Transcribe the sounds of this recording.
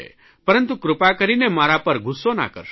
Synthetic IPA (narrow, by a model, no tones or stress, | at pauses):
ḛ | pəɾənt̪ukɾʊpakəɾinemaɾapəɾɡʱusona̰kə̰ɾʃ